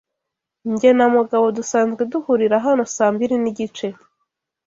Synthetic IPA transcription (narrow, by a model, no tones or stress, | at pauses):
ɲɟe̞namuɡaβo̞dusaːnzɡeduhuɾiɾaɦano̞saːmbiɾiniɟit͡ʃe̞